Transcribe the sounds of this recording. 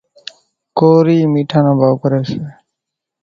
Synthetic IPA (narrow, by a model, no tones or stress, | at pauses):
koːɾiːmiʈʰanabʱawkɔɾesʰe